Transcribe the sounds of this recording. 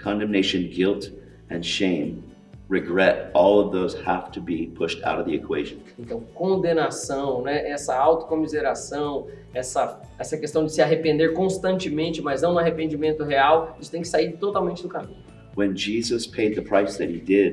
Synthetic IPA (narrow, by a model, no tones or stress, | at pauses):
kʰɑ̃ndɛ̃mneɪʃɨ̃nɡɪlˠt | ɨ̃nʃẽɪ̃m | ɹɪɡɹɛɾɔlˠʌvðoʊz̥hæftʰɨbipʰʊʃtʰa̰ʊɾʌvðiɨkʰweɪʒɨ̃nẽnt̪ɐ̃w̃kõnd̪ẽnasɐ̃w̃nɛʔɛsɐawt̪ʊ̥kõmizeɾasɐ̃w̃ | ɛsɐ | ɛsɐkest̪ɐ̃w̃d͡ʒɪsɪaɦepẽnd̪eɾkõst̪ɐ̃nt͡ʃɪmẽnt͡ʃɪmɐznɐ̃w̃nʊ̃aɦepẽnd͡ʒimẽnt̪ʊɦeawisʊ̥t̪ẽj̃kɪsaiɾt̪ot̪awmẽnt͡ʃɪd̪ʊkamĩnʊ | wɨ̃nd͡ʒizɨspʰeɪd̪̚ðɨpʰɹ̥aɪsðɨt̚hidɪd̥̚